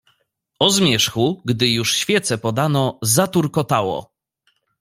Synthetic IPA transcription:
ɔzmʲjɛʂxuɡd̪ɘjuʂɕfʲjɛt̪sɛpɔd̪anɔzat̪uɾkɔt̪awɔ̰

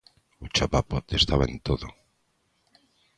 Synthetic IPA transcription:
ut͡ʃapapot̪est̪aβaḛnt̪oðo

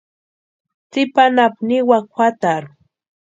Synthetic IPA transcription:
t͡sɪpanapnɪwakwat̪aɾ

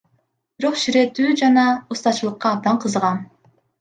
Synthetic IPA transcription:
b̥iɾo̞qʃiɾe̞t̪yːd͡ʒɑnɑust̪ɑt͡ʃɯlˠɯqːɑːb̚d̪ɑɴqʰɯzʁɑn

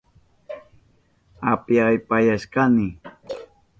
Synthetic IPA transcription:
apjajpajaʃkanɪ

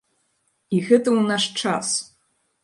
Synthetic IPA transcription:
ixɨtʼɨwnaʂʈ͡ʂʰa̰s

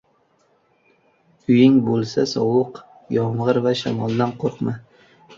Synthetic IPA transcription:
ʊjɪŋbolˠsasɒ̰wɨq | jɒɴʁɨɾvaʃa̰mɒlˠd̪anqʰoɾqma

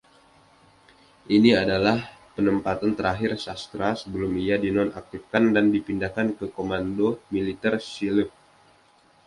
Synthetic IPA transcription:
ʔiniadalahpənəmpat̪ant̪əɾaɦɪrsast̪ɾasəbəlʊmijadinɔnak̚t̪ifkandandipindakankəkomandomilit̪ɛrsiləp̚

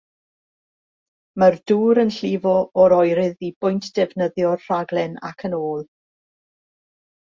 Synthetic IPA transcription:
mərduːɾənɬɪvɔɔɾɔjɾɪðib̥ʊjntʰd̥ɛvnəðjɔrr̥aɡlˠɛna̰kʰənoːlˠ

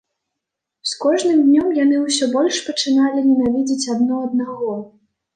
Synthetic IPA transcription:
skɔʐnɨmd̪ʲnʲɔmjanɨwsʲɔbɔlʲʂpɐt͡ʂɨnalʲinʲɛnavʲid͡zʲit͡sʲad̪̚nɔɐd̪̚naɣɔ

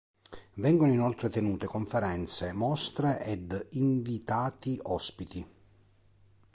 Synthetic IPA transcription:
vɛŋɡonoinɔlt̪ɾet̪enuːt̪ekoɱfeɾɛnt̪semɔst̪ɾeʔɛd̪iɱvit̪aːt̪iʔɔspit̪i

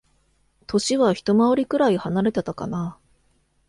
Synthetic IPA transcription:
t̪ʰo̞ɕiβaçi̥t̪o̞maoɾʲikɯ̟ɾaihanaɾe̞t̪e̞t̪aka̰na

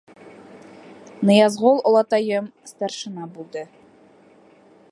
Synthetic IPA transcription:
nɤ̆jɑzʁolˠŏlˠɑt̪ɑjɤmst̪ɑrʃɤ̆nɑbulˠd̪ɤ

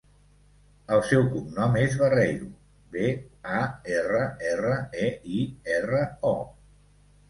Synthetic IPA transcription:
əlˠsɛwkumnɔmezβərejɾu | beaerəɛrəeiɛrəɔ

